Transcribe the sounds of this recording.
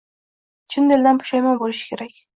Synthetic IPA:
t͡ʃʰɪnd̪eld̪anpʰʊ̥ʃajmɒbolɪʃɪ̥kʲʰe̞ɾakʲ

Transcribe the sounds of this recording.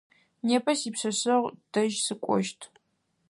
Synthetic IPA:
neːpʰɐsiːpɕɐɕɐʁʷd̥ɐʒsɨkʷʼɔ̰ʃtʰ

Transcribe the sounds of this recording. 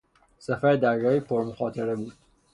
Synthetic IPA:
sæfæɾed̪æɾɡɒːipʰoɾmoxɒːt̪ʰeɾebuːd̪̥

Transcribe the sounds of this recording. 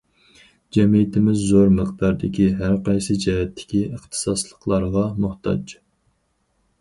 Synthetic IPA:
d͡ʒɛmijit̪ʰɪmɪzːoɾməqd̪ɑɾd̪ɪkʲʰiɦæɾqɑjsɨd͡ʒɛɦɛt̪ʰːɪ̥kʲiəχt̪ʰɨ̥sɑslˠəqlˠɑɾʁɑmuht̪ʰɑ̰d͡ʒ

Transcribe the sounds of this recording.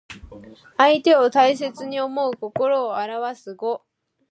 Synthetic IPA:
ait̪e̞o̞t̪aise̞t͡sɨɲ̟io̞mo̞ɯ̟ko̞ko̞ɾo̞ːaɾaβasɨɡo̞

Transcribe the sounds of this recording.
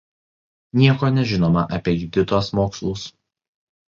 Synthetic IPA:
nʲiɛkoːnʲɛʒʲɪnoːmɐʔɐpʲiɛjʊd̪ʲɪt̪oːsmoːkslˠʊs

